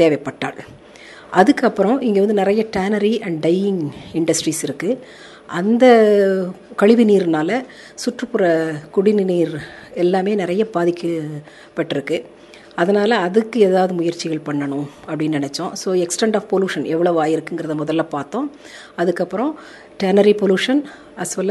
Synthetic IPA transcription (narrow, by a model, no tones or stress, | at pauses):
t̪eːʋɐpːɐʈːa̰ːɭ | ʔɐðɯkːɐpːɯɾɔ̃ʔɪŋɡeːʋɐnd̪ɯnɪɾɐjɐʈɛːnɐɾiɐɳɖɖɐɪɪŋɡɪɳɖɐsʈɾiːsɪɾɯkːɯ | ʔɐnd̪ɐ | kɐɻɪʋɪniːɾnaːlɐ | sʊʈrɯpːɯɾɐkʊɽɪnniːɾɛlːaːmeːnɪɾɐjɐbaːðɪkːɐ | pɐʈːɪɾɯkːɯ | ɐðɐnaːlɐːðɯkːɯeːðaːʋðɯmʊjɐɾt͡ʃːɪɣɐɭpɐɳːɐɳʊ̃ | ɐpːɽɪnːnɐnɛt͡ʃːõsoːɛksʈɛɳɖaːfpɔljuːʂɐnɛʋːɐɭɐʋaːjɪɾɯkːɯŋɡɪɾɐðɐmʊðɐlːɐːpaːɾt̪õː | ɐðɯkːɐpːɯɾɔ̃ | ʈɛːnɐɾipɔluːʂɐn | ɐsʋɐl